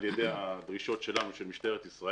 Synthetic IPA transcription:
ljed̪ejad̪ʁiʃo̞tʃe̞lanuʃelmiʃt̪eʁet̪isʁa

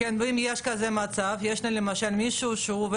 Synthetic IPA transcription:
enveimjeʃkazemat͡savjeʃlanlemaʃalmiʃuʃeuv

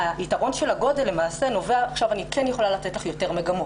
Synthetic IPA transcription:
aitaʁo̞nʃe̞laɡo̞delːe̞maːse̞no̞veaːχʃavanikenjeχo̞lalatetlaχjo̞te̞ʁmeɡamo

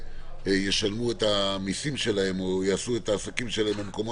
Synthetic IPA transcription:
jeʃalmue̞tamisimʃe̞lahe̞mojaːsue̞taːsakimʃelaembemko̞mo

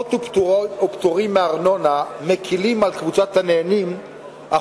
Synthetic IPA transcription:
t̪opopt̪oʁimːeaʁno̞namekʰilimalkvut͡sat̪haneːnim | ʔa

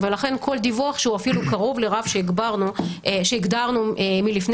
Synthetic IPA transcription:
velaχe̞nkʰo̞ld̪ivuaχʃeuafilukaʁo̞vle̞ʁavʃe̞iɡbaʁnuʃeiɡd̪aʁnumilifn

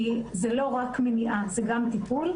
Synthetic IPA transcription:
izelo̞ʁakmeniʔazeɡamt̪ipul

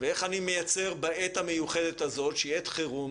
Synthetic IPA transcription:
vee̞χanime̞jat͡se̞ʁbaet̪hame̞juχe̞d̪et̪azo̞t̪ʃejet̪χeʁu

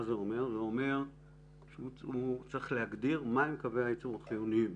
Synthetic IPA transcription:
zeome̞ʁzeo̞me̞ʁ | ʃeuut͡sʁeχle̞haɡd̪iʁmajmekaveait͡suʁaχijunim

